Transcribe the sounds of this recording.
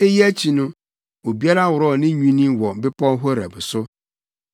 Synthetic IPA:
e˦ji˦æ˦t͡ɕʰi˨nʊ̃˦ | o˨bi˦a˦ɾa˦wʊ˨ɾɔ˦˨nɪ̃˦ɲũ˦nĩ˦wɔ˨m̩˨˦bɪ˦pʰɔ̃˦ɦɔ˦ɾæ̰˨bʊ˨sʊ˦

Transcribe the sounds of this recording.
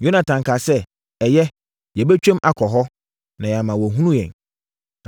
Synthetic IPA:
jo˦nã˨tʰã˨ŋkʰa˨sɛ˦ | ɛ˨jɛ˦ | jɛ˨bɛ˦t͡ɕᶣɛ̃˦mʔa˨kʰɔ˨ɦɔ˦ | nã˨jɛ˨a˨mã˨wɔ˨ɦũ˦nũ˦jɛ̰̃˨

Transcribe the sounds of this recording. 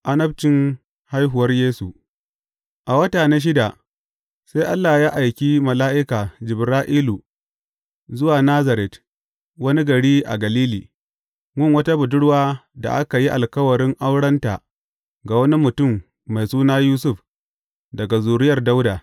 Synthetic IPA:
ʔa˦nɐ˦b̚t͡ʃɪ˨ŋ | ha˦jɦʊ˨wɐ˦rjeː˦su˨ | ʔa˨wɐ˦taː˨na˦ʃ̬ɪ˦da˨ | sa˦jʔa˦lːa˨jaː˦ʔa˨jkʲi˦mɐ˨laː˦ʔɪ˦kaː˨d͡ʒɪ˨bɾaː˦ʔiː˦lu˨ | zʊ˦waː˨naː˦za˨ɾɛ˨t | wɐ˦ni˦ɡɐ˨ɽiː˦ʔa̰˨ɡɐ˨liː˦liː˨ | mʊ˦ŋwɐ˦ta˦bʊ˨dʊ˦ɽwaː˦da̰˨ʔa˦ka˨ji˦ʔa˨lkɐ˦wɐ˨ɽɪ˦ŋʔa˦wɽɐ˦nta̰˨ | ɡa˨wɐ˦ni˦mʊ˨tʊ˦˨mː | a˨jsuː˦naː˦juː˦sʊ˦˨ɸ | dɐ˨ɡa˨zuː˨ɽɪ˦jɐ˨rda˦wdaː˨

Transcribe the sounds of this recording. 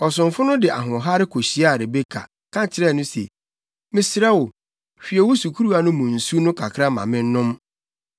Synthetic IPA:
ɔ˨s̬ʊ̃˨ɱfʊ˦nʊ̃˦dɪ˨ʔa̰˨ɦʊ̃˨ɔ˨ɦa˦ɾɪ˦kʰo˨ɕi˨a˦a˨ɾe˨be˦kʰa̰˨ | kʰã˦t͡ɕʰɪ˨ɾɛ˦˨nʊ̃˦sḛ˨ | mɪ̃˨sɾɛ˦wʊ˨ | fi˨ɛ˨wʊ˦su˨kʰu˦ɾu˦a˨˦nʊ̃˦mʊ̃˨n̩˨su˦nʊ̃˦kʰa˨kʰɾa˦mã̰˨mɪ̃˦n̩˦nʊ̃˦m

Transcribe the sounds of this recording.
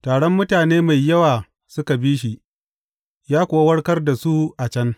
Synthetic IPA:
taː˨ɽɔ˦mːʊ˦taː˨neː˦ma˨jːɐ˦waː˨ | sʊ˦ka˨biː˦ʃ̬i˨ | jaː˦kʷʊː˨wa˦wɐ˦ɽkɐ˦rda˨su˦ʔa˨t͡ʃɐ˦n

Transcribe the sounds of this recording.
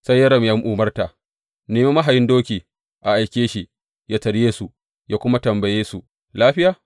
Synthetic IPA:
sa˦jːɐ˦ɾɐ˨mja˦mʔuː˨mɐ˦rta˨ | neː˨me˦mɐ˦ɦa˨jɪ˦ndoː˦kʲiː˨ | ʔa˨ʔa˨jkʲeː˦ʃi˦ | jaː˦tɐ˨ɾjeː˦su˨ | jaː˦kʷʊ˦ma˦tɐ˨mbɐ˨jeː˦su˨ | laː˦ɸɪ˦jaː˨

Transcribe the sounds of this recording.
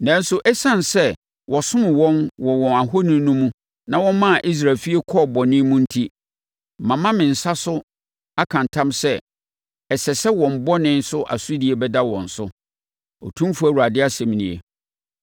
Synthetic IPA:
nã˨˦n̩˦sʊ˦ʔɛ˦sã˦nsɛ˦˨ | wʔɔ˨sʊ̃˦mɪ̃˨wɔ̃˦nwɔ˨wɔ̃˨na˨ɦo˦nĩ˦nũ˦mũ˦ | nã˨wɔ̃˦mã˦˨ʔi˦s̬ɾa˨lfi˦e˦kʰɔ˦˨bɔ˨nɪ̃˦mũ˦n̩˦tʰi˦˨ | mã˨mã˦mɪ̃˨n̩˨sa˦sʊ˦ | a˦kʰã˨ntʰã˦msɛ˦ | ɛ˨sɛ˨sɛ˦wɔ̃˨m̩˨bɔ˦nɪ̃˦nsʊ˦ʔa̰˨su˦di˨e˨bɛ˦da˦wɔ̰̃˨n̩˨sʊ˦ | ɔ̰˨tʰũ˦m˦fu˦æ˨u˨a˨dɪ˦a˦sɛ̃˨m˨nḭ̃˨ḛ˨

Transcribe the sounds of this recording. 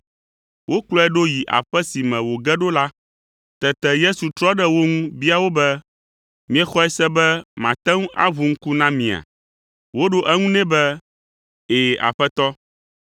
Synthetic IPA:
wʔo˦klɔ˦ɛ˦ɖo˦ji˨ʔa̰˨ɸɛ˦si˨mɛ̃˨wo˨ɡɛ˦ɖo˦la˦ | t̪ɛ˨t̪ɛ˨je˦su˨t̪ɾɔ˦ɖɛ˦wo˦ŋũ˦bi˦a˨wo˦bɛ˦ | mĩ˦ɛ˦xɔ˦ɛ˦sɛ˦bɛ˦mã̰˨t̪ɛ˦ŋũ˦ʔa̰˦vu˨ŋ̩˦ku˦nã˦mĩ˨a̰˨ | wo˦ɖo˦ʔɛ˦ŋũ˦nɛ̃˦bɛ˦ | e˨a̰˨ɸɛ˦t̪ɔ˦

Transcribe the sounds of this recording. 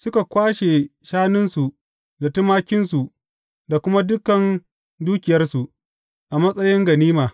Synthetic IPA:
sʊ˦ka˨kʷaː˦ʃe˨ʃaː˦nɪ˦nsu˨ʔ | da˨tʊ˦maː˦kʲɪ˦nsu˨ʔ | da˨kʷʊ˦ma˦dʊ˦kɐ˨n | duː˦kʲɪ˨jɐ˦rsu˨ʔ | ʔa˨mɐ˦sʼɐ˦jɪ˦ŋɡɐ˨niː˦maː˨

